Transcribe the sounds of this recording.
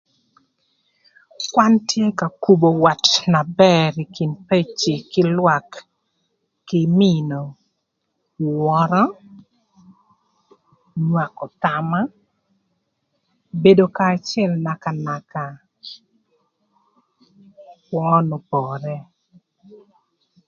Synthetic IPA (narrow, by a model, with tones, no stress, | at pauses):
kwa˦ntje˦ka˨ku˨bo˨wa˨tna˨bɛ˦ɾi˨ki˨npe˦t͡ʃi˨kɪ˦lwa˨k | ɪ˨mi˦no˨ | wɔɾɔ˦ | ɲwa˨kɔ˨t̪a˨ma˦ | be˦do˦kaː˨t͡ʃɛ˦˨lna˨ka˨na˨ka˨ | wɔ˦nɔ˨pɔɾɛ˦